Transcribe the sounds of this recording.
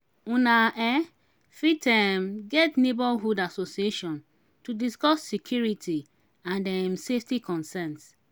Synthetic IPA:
ũnaʔɛ | fitɛmɡɛtnebɔlɦudasosieʃɔ̃n | tudiskɔsːikʰjuɹitʰi | ãndɛmseftikɔ̃nsɛ̃nt

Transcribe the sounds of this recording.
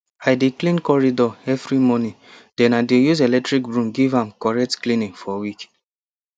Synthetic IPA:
aɪdeklĩnkɔɹidɔɛvɾimɔnĩ | d̥ɛ̃nadejuzelɛtɹik̚bɹũmɡivãmkɔɹɛk̚tklĩnĩnfɔwik

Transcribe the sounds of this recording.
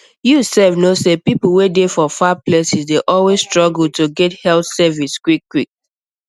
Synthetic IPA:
jusɛvnosepipl̩wedefɔfaplɛsizdeʔɔlwezstɹɔɡl̩toɡɛthɛlθsɛviskwikːwik̚

